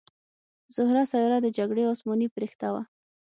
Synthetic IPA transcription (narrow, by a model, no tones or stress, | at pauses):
z̥ʊhɾasajoɾad̪əd͡ʒaɡɽeɔsmɔnipɾext̪awa